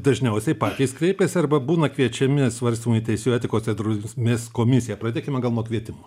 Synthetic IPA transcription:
d̪ɐʒʲnʲɛʊsʲɛɪpɑːt̪ʲiːskɾʲɛɪpʲeːsʲɪɐrbɐbuːnɐkʋʲiɛt͡ʃʲɛmʲɪsʋɐrʲsʲt̪ʲiɪmʊit̪ʲɛɪsʲjuɛːt̪ʲɪkoːssʲɛd̪ɾʊmʲeskoːmʲɪsʲɪjɛpɾɐd̪ʲeːkʲɪmʲɛɡɐlˠnuɔkʋʲiɛt̪ʲɪmoː

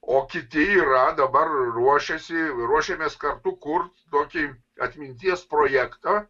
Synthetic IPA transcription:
oːkʲɪt̪ʲɪiːɾɐd̪ɐbɐrɾuɔʃʲɛsʲɪɾuɔʃʲɛmʲeːskɐrt̪ʊkʊrt̪t̪oːkʲɪ | ɐt̪ʲmʲɪnʲt̪ʲiɛspɾoːjækt̪ɐ

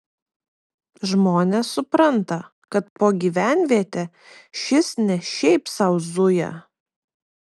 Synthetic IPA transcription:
ʒmoːnʲesʊpɾɐnt̪ɐ | kɐt̪poːɡʲiːʋʲæˑnʲʋʲiɛt̪ʲe | ʃʲɪsnʲɛʃʲɛɪpsɐʊzʊjɛ̰

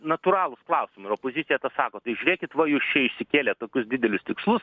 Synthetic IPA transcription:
nɐt̪uːɾɑːlˠʊsklˠɑʊsʲɪmʊɪɾoːpoːzʲɪt̪sʲɪjɛt̪ɐsɑːkoːt̪ɐɪʒʲʉɾʲeːkʲɪt̪ʋɐjuːst͡ʃʲɛɪʃʲsʲɪkʲeːlʲɛtt̪oːkʲʊsd̪ʲɪdʲɛlʲʊst̪ʲɪkslˠʊs

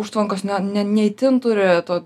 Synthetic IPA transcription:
uʃt̪ʋɐŋkosnʲɛnʲɛnʲɛɪt̪ʲɪnt̪ʊɾʲɪt̪oː

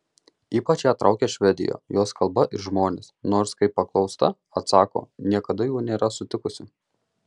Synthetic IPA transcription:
iːpɐt͡ʃjæːt̪ɾɐʊkʲeːʃʲʋʲɛd̪ʲɪ̰jo̰ːjoːskɐlˠbɐʔɪɾʒmoːnʲesnoːɾskɐɪpːɐklˠɒʊst̪ɐ | ɐt̪sɑːko̰ːnʲiɛkɐd̪ɐjuːnʲeːɾɐsʊt̪ʲɪkʊsʲɪ

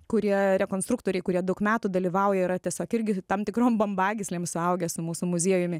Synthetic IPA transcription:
kʊɾʲiɛɾʲɛkoːnst̪ɾukt̪oːɾʲɛɪkʊɾʲiɛd̪ɐʊkmʲæːt̪ud̪ɐlʲiːʋɐʊjɛɪɾɐt̪ʲiɛsʲoːkɪɾʲɡʲɪt̪ɐmt̪ʲɪkɾoːmbɐmbɑːɡʲɪsʲlʲeːmsʊɐʊɡʲɛsʊmuːsʊmʊzʲiɛjʊmʲɪ

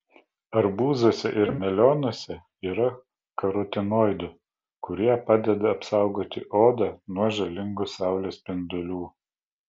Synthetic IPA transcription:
ɐɾbuːzoːsʲɛʔɪɾmʲɛlʲoːnoɔsʲɛ | iːɾɐ | kɐɾɔt̪ʲɪnoːɪd̪ʊ | kʊɾʲiɛpɑːd̪ʲɛd̪ɐɐpsɑˑʊɡoːt̪ʲɪʔoːd̪ɐnuɔʒɐlʲɪŋɡʊsɑˑʊlʲeːspʲɪnd̪ʊlʲuː

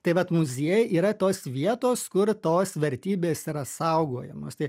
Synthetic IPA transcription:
t̪ɐɪʋɐt̪mʊzʲiɛjɛʔiːɾɐt̪oːsʋʲiɛt̪oːskʊrt̪oːsʋʲɛɾʲt̪ʲiːbʲeːsiɾɐsɐʊɡoːjɛmo̰ːst̪ɐɪ

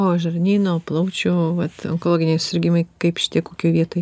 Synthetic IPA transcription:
oːʒɐrʲnʲiːnoːplˠɐʊt͡ʃʲoʋɐt̪o̰ŋkolˠoːɡʲɪnʲeɪssʲɪɾʲɡʲimɐɪkɐɪpʃʲɪ̥t̪ʲiɛkːoːkʲuɛʋʲiɛt̪oːj

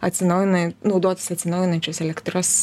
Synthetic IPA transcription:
ɐt̪ʲsʲɪnɐʊjnɐnɒʊd̪oːt̪ʲɪ̥sɐt̪ʲsʲɪnɐʊjɪnɐnʲt͡ʃʲoːsɛlʲɛkt̪ɾos

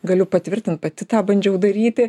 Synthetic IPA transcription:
ɡɐlʲʊpɐt̪ʲʋʲɪrʲt̪ʲɪnt̪̚pɐt̪ʲɪt̪ɑːbɐnʲd͡ʒʲɛʊd̪ɐɾʲiːt̪ʲɪ

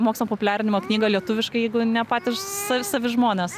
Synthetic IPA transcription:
moːksʲnʲopopʊlʲæːɾʲɪnʲɪmoːknʲiːɡɐlʲiɛt̪ʊʋʲɪʃkɐɪjɛɪɡʊnʲɛpɑːt̪ʲɪʃsɑsɑːʋʲɪʒmoːnʲɛːs

